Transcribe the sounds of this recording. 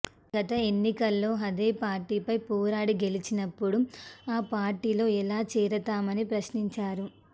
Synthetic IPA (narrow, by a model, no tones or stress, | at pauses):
ɡɐt̪ɐe̞nːikɐlːo̞ːɦɐd̪eːpaːɾʈiːpɐjpuːɾaːɽiɡe̞lit͡ʃinɐpːuɽuaːpaːɾʈiːlo̞ːɛlaːt͡ʃiːɾɐt̪aːmɐnipɾɐʃniɲt͡ʃaːɾu